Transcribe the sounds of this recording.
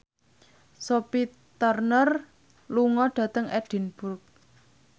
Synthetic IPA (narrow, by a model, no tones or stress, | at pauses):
sopi | t̪ɔrnər | luŋɔɖ̥ä̤t̪əŋʔɛɖ̥i̤nb̥urk̚